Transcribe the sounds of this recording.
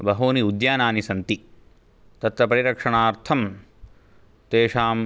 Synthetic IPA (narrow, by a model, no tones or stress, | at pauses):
bɐɦoːniud̪jaːnaːnisɐnt̪i | t̪ɐt̪ʋɐpɐɾiɾɐkʂɐɳaːɾt̪ʰɐm | t̪eːʂaːm